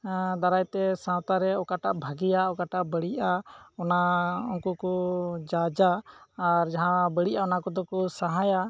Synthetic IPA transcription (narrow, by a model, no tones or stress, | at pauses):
d̪aɾajt̪ɛsãwt̪aɾɛɔkaʈaʔbʱaɡijaɔkaʈaʔbəɽiʔaɔnaɔŋkukɔd͡ʒad͡ʒaː | ɾd͡ʒaɦãbəɽiʔaɔnakɔd̪ɔkɔsaɦaja